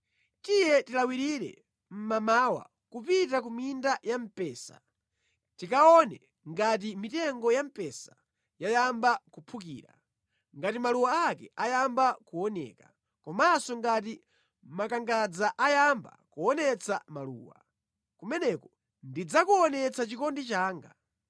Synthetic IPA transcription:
tijɛtilawiɾiɾɛ̰ | m̩mamawa̰ | kupitak̬umindajam̩pɛːsa̰ | tikaɔnɛ | ŋɡat̬imitɛŋɡɔjam̩pɛsḁ | jajambakupʰukḭːɾa | ŋɡatimaluwaakɛ̰ajambakuɔnɛ̰ːka | kɔmasɔŋɡat̬i | makaŋɡad͡zaʔajamba̰kuɔnɛt͡samalṵːwa̰ | kumɛnɛkɔ | ndid͡zakuɔnɛt͡sat͡ʃikɔndit͡ʃaːŋɡa

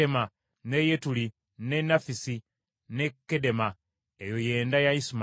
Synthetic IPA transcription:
ema | nejetuli | nenafisi | ne̞kːede̞ma | ejo̞je̞ːndajaisim

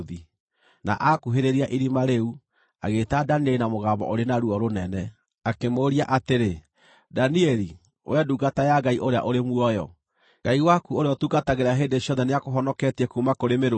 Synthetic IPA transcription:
ði | na̰ʔakuɦeɾeɾiaʔiɾimaɾeu | aɣeːtadaniɛlinamoɣaːmbɔ̰ʔoɾenaɾuɔɾonɛnɛ | akemoɾiaʔateɾe | daniɛɾi | wʔɛduɣatajaɡaiʔoɾea̰ʔoɾemwɔjɔ̰ | ɡaiwakuoɾeɔtuɡataɣeɾeaɦeːndeɕjɔðɛneakoɦɔnɔkɛtiɛkumakoɾemeɾo

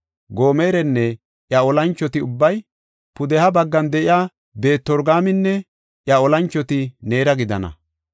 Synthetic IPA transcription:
ɡo̞ːmeːɾɛnːɛ | ʔjɐɔlɐnt͡ʃːɔt̪ɪʊbːɐj | pʊd̪ɛhɐbɐɡːɐnd̪ɛʔɪjaː | be̞ːt̪ːɔɾɡaːmɪnːɛ | ʔjɐɔlɐnt͡ʃːɔt̪ɪne̞ːɾɐɡɪd̪ɐnɐ̰

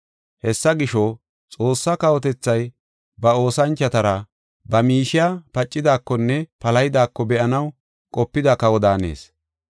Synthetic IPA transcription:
hɛsːɐɡɪʃɔ | t͡sʼo̞ːsːɐkɐwɔt̪ɛt͡sːɐj | bɐo̞ːsɐnt͡ʃːɐt̪ɐɾɐ | bɐmiːʃɪjapɐt͡ʃʼːɪd̪aːkːɔnːɛpɐlɐjɪd̪aːkːɔbɛʔɐnɐw | kʼɔpːɪd̪ɐkɐwɔd̪aːne̞̰ːs

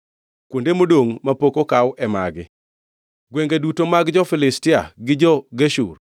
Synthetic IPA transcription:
kwondemodoŋmapokokawʔɛma̰ɡɪ̰ | ɡweŋɡedutomaɡd͡ʒɔfɪlɪstɪa̰ɡɪd͡ʒɔɡeʃṵr

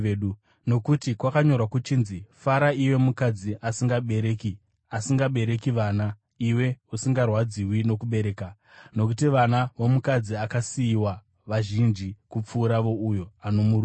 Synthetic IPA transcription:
u | no̞kutikwakaɲo̞rwakut͡ʃiːnzifaɾaiwe̞mukad͡ziʔasiŋɡaɓe̞ɾeːki | asiŋɡaɓe̞ɾe̞kiʋaːna | iwe̞usiŋɡarwad͡ziwino̞kuɓe̞ɾe̞ːka | no̞k̬utiʋanaʋomukad͡ziakasiːwa | ʋaʒind͡ʒikup͡fuːɾaʋo̞ujo̞ano̞muɾu

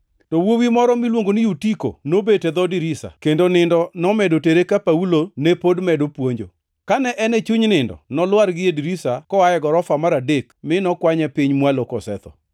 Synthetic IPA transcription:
tɔwowimɔɾɔmilwoŋɡonɪjutiko̰nobetɛd̪ɔdiɾisa̰kendonɪndɔnɔmɛdoteɾekapaulonepodmɛdopwoɲd͡ʒo | kanɛʔɛnɛt͡ʃuɲnɪndɔ̰nɔlwaɾɡɪediɾisakɔajɛɡɔɾɔfamaɾadekmɪnɔkwaɲɛpɪɲmwalokɔsɛ̰t̪ɔ̰

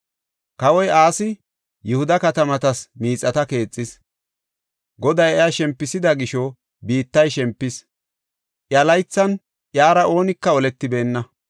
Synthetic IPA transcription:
kɐwɔjaːsɪ | jʊhʊd̪ɐkɐt̪ɐmɐt̪ɐsmiːt͡sʼːɐt̪ɐke̞ːt͡sʼːɪs | ɡɔd̪ɐjɛjaʃɛmpːɪsɪd̪ɐɡɪʃɔ | biːt̪ːɐjʃɛmpːɪs | ʔjɐlɐjt͡sːɐn | ʔjaːɾɐʔo̞ːnɪkːɐɔlɛt̪ːɪbe̞ːnːɐ

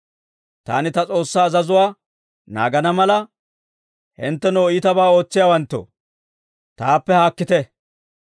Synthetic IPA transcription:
t̪a̰ːnɪt̪ɐt͡sʼo̞ːsːaːzɐzʊwaː | na̰ːɡɐnɐmɐlɐ | hɪnt̪ːɛnoːɪt̪ɐbaːo̞ːt͡sːɪjaːwɐnt̪ːo̰ | t̪aːpːɛhaːkːɪt̪ɛ

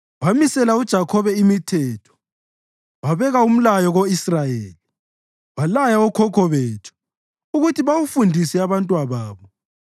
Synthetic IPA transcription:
wamisɛlaud̥ʒ̥ʱakʰɔβɛimitʰɛːtʰɔ̥ | waβɛɣaum̩lajɔɣoisrajeːli | walajaɔkʰɔkʰɔβeːtʰu̥ | uɣutʰiβawufundʱisɛaβantʼwaβaːβɔ

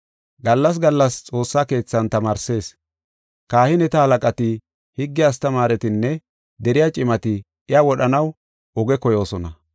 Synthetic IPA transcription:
ɡɐlːɐs̬ɡɐlːɐst͡sʼo̞ːsːaːke̞ːt͡sːɐnt̪ɐmaːɾse̞ːs | kaːhɪnɛt̪ɐhɐlɐkʼɐt̪ɪ | hɪɡːɪjaːs̬t̪ɐmaːɾɛt̪ɪnːɛ | d̪ɛɾɪjat͡ʃʼɪmɐt̪ɪ | ɪawɔɗɐnɐw | ɔɡɛkɔjo̞ːsɔnɐ

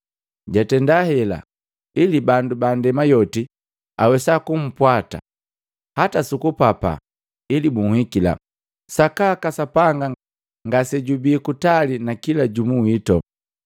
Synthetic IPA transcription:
ɟatɛndahɛla̰ | ilibandubandɛmajɔti | awɛsakum̩pwata̰ | hatasukupapa̰ | ilimuŋwikila̰ | sakakasapaŋɡa | ŋɡasɛɟubiːkutalinakilaɟumuwitɔ

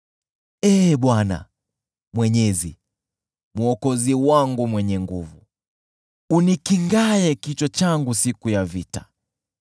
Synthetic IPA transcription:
ɛɓwana̰ | mwɛɲɛzi | muɔkɔziwaŋɡumwɛɲɛŋɡuvu | unikiŋɡajɛkit͡ʃɔt͡ʃaŋɡusikujavita

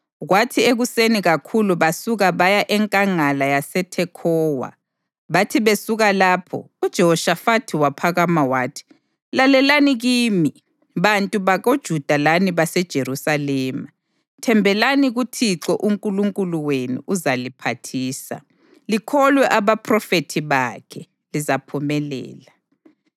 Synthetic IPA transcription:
ɣwatʰieɣuseniɣakʰuluβasuɣaβajaʔɛŋkʼaŋalajasɛtʰɛkʰɔːwa̰ | βatʰiβesuɣalaːpʰɔ̰ | ud̥ʒ̥ʱɛɦɔʃafatʰiwapʰaɣamawaːtʰi̥ | lalɛlaniɣiːmi | βantʼuβaɣod̥ʒ̥ʱud̥ʱalaniβasɛd̥ʒ̥ʱeɾusalɛːma | tʰɛmbʱɛlaniɣutʰiǁɔʔuŋkʼuluŋkʼuluwenṵʔuzalipʰatʰiːsa̰ | likʰɔlwɛʔaβapʰrɔfetʰiβakʰɛ | lizapʰumɛlɛ̰ːla

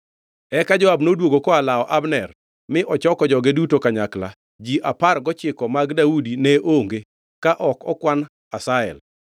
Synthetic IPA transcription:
ɛkad͡ʒɔabnodwoɡokɔalaɔʔabnɛr | mɪʔɔt͡ʃɔkɔd͡ʒɔɡedutokaɲakla̰ | d͡ʒiʔaparɡɔt͡ʃɪkɔmaɡdaudineʔoŋɡe | kaʔɔkɔkwan | asaɛ̰l

